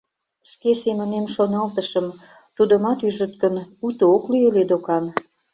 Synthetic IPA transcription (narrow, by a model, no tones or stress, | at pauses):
ʃkesemə̆nemʃonɑlt̪əʃəm | t̪ud̪ə̆mɑt̪yʒə̆t̪̚kənut̪ooklyeled̪okɑn